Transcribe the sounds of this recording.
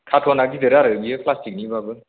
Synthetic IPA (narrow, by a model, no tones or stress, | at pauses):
kʰatʰɔnak̚didɯɾaɾɯbijɯpʰlastik̚nibabɯ